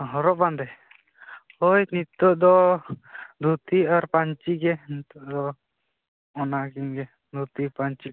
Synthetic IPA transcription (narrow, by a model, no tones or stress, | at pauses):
ɦɔɾɔʔ̚band̪ɛ | hojnit̪ɔʔd̪ɔ | d̪ʱut̪iaɾpaɲt͡ʃiɡɛnit̪ɔʔd̪ɔ | ɔnaɡiŋɡɛ | d̪ʱut̪ipaɲt͡ʃi